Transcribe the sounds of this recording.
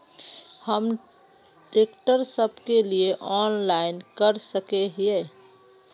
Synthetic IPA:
həm | ɖekʈəɾsəbkelieʔɔːnlaːɪnkəɾsəkeɦeː

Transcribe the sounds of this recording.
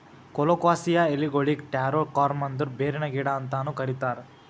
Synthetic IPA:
kɔlokʋaːsijɐeliɡoɭikʈaːɾoɾkaːɾmɐnd̪uɾbeːɾenɐɡiːɽaːnt̪aːnukɐɾit̪aːɾ

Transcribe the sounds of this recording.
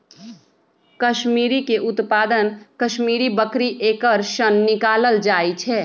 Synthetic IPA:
kəʃmiːɾikeʔʊt̪paːd̪ənkʃmiːɾibəkɾiʔeːkəɾʃənːɪkaːləld͡ʒaːit͡ʃʰɛː

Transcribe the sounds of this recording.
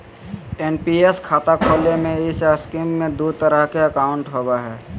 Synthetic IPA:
enpieskʰaːt̪akʰoːlemẽɪsaskimːẽd̪ut̪əɾəɦkeəkaːʊ̃ɳʈɦoːbaɦɛː

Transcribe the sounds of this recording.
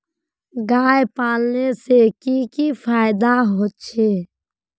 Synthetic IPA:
ɡaːjpaːlnesekikifʰaːɪd̪aɦoːt̪t͡ʃʰeː

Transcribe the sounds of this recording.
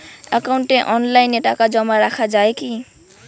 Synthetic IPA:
akawɳʈeʔɔnlajneʈakad͡zʌmaɾakʰad͡zaeki

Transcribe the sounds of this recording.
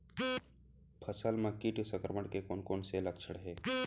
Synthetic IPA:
pʰəsəlmɐ̃kːiʈusə̃ŋkɾəməɽkekoːnkoːnselɐkʃʰəɽɦɛː

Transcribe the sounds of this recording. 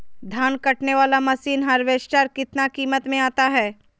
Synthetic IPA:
d̪ʱaːnkɐʈneʋaːlamɐsiːnɦɐɾʋeːʃt͡ʃaːɾkɪt̪nakiːmət̪mẽaːt̪aɦɛː

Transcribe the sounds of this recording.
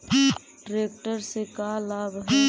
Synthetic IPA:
ɖɾeːk̚ʈəɾsekalaːbɦ

